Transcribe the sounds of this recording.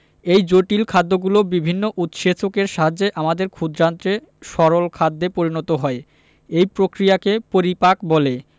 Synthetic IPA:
ejd͡ʑoʈilkʰad̪ːoɡulobibʱinːoʔut̪ʃet͡ɕokeɾʃaɦad͡ʑeʔamad̪eɾkʰud̪ɾant̪ɾe | ʃɔɾolkʰad̪ːepoɾinɔt̪oɦɔe | ejpɾokɾijakepoɾipakbole

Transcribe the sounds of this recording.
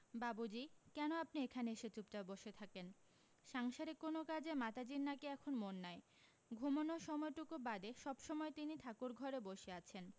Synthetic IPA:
babud͡ʑikɛnoap̚niekʰaneeʃet͡ɕuptaboʃet̪ʰaken | ʃaŋʃaɾekonokad͡ʑʱemat̪ad͡ʑinnakeɛkʰonmonːaj | ɡʱumonoʃɔmɔeʈukubad̪eʃɔbʃɔmɔet̪init̪ʰakuɾɡʱɔɾeboʃeat͡ɕʰen

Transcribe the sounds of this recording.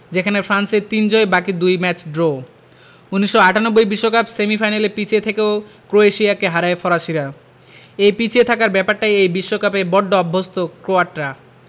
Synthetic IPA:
d͡ʑekʰanefʰɾanseɾt̪ind͡ʑoebakid̪ujmɛt͡ɕɖɾo | uniʃːoaʈanobːojbiʃːokapsemifajnalepit͡ɕʰiet̪ʰekeokɾoeʃiakeɦaɾaefɔɾaʃiɾa | ejpit͡ɕʰiet̪ʰakaɾbɛpaɾʈajejbiʃːokapebɔɖːoɔbʱːost̪okɾoaʈɾa

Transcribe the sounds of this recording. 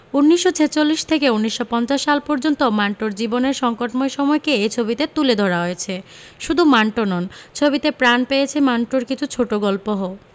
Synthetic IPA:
unːiʃːot͡ɕʰet͡ɕolːiʃt̪ʰekeunːiʃːopɔnt͡ɕaʃːalpɔɾd͡ʑont̪omaɳʈoɾd͡ʑiboneɾʃɔŋkoʈmoeʃɔmɔekeejt͡ɕʰobit̪et̪uled̪ʱɔɾaɦojet͡ɕʰe | ʃud̪ʱumaɳʈonɔnt͡ɕʰobit̪epɾanpejet͡ɕʰemaɳʈoɾkit͡ɕʰut͡ɕʰoʈoɡɔlpoɦo

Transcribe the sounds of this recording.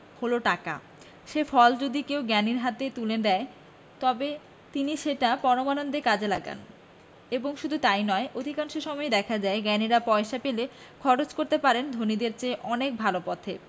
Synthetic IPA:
holoʈaka̰ | ʃefʰɔld͡ʑod̪ikewɡɛniɾɦat̪et̪uled̪ɛe | t̪ɔbe | t̪iniʃeʈapɔɾomanond̪ekad͡ʑʱela̰ɡa̰n | eboŋʃud̪ʱut̪ajnɔeʔod̪ʱikaŋʃeʃɔmɔed̪ɛkʰad͡ʑaeɡɛniɾapɔeʃapele | kʰɔɾot͡ɕkoɾt̪epaɾend̪ʱonid̪eɾt͡ɕeʔɔnek̚bʱalopɔt̪ʰe

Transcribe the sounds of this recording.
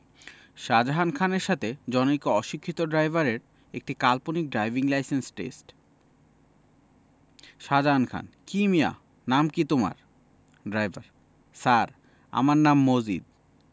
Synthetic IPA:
ʃad͡ʑaɦankʰaneɾʃat̪ʰed͡ʑɔnoikoɔʃikʰːit̪oɖɾajbʱaɾeɾ | ek̚ʈikalponik̚ɖɾajbʱiŋlajsensʈḛsʈ | ʃad͡ʑaɦankʰa̰nkimia̰ | namkit̪oma̰ɾ | ɖɾajbʱa̰ɾ | saɾ | a̰maɾnamːod͡ʑḭd̪̚

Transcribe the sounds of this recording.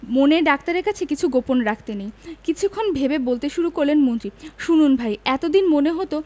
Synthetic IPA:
moneɖakt̪aɾeɾkat͡ɕʰekit͡ɕʰuɡoponɾakʰt̪enejkit͡ɕʰukʰːonbʱebebolt̪eʃuɾukoɾlenmont̪ɾiʃununbʱajɛt̪od̪inmoneɦot̪o

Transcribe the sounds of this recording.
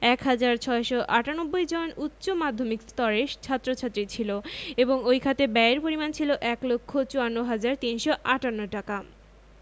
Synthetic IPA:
ɛkɦad͡ʑaɾt͡ɕʰɔeʃoʔaʈanobːojd͡ʑonutːɕomad̪ʱːomikst̪ɔɾeʃt͡ɕʰat̪ːɾot͡ɕʰat̪ːɾit͡ɕʰiloeboŋojkʰat̪ebɛeɾpoɾimant͡ɕʰiloʔɛklokʰːot͡ɕoanːoɦad͡ʑaɾt̪inʃoʔaʈanːoʈaka

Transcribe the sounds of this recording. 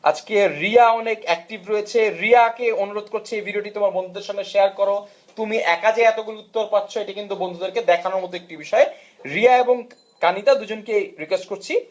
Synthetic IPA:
a̰d͡ʑkeɾiaɔnekɛk̚ʈibɾoet͡ɕʰeɾiakeonuɾod̪̚koɾt͡ɕʰiejbʱiɖioʈit̪omaɾbond̪ʱod̪eɾʃaŋneʃejaɾkɔɾo | t̪umiʔɛkad͡ʑaeɛt̪oɡuliut̪ːoɾpatːʰoeʈikint̪ubond̪ʱod̪eɾked̪ɛkʰanoɾmɔt̪oek̚ʈibiʃɔe | ɾiaeboŋ | kanit̪ad̪ud͡ʑonkeɾikwesʈ̚koɾt͡ɕʰi

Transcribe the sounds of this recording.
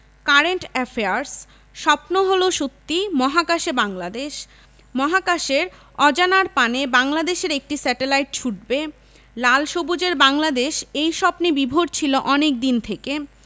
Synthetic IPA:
kaɾeɳʈɛfʰeaɾs | ʃɔpnoɦoloʃot̪ːimɔɦakaʃebaŋlad̪eʃ | mɔɦakaʃeɾ | ɔd͡ʑanaɾpanebaŋlad̪eʃeɾek̚ʈisɛʈelajʈ̚t͡ɕʰuʈ̚be | lalʃobud͡ʑeɾbaŋlad̪eʃejʃɔpnibibʱoɖt͡ɕʰiloʔɔnek̚d̪int̪ʰeke

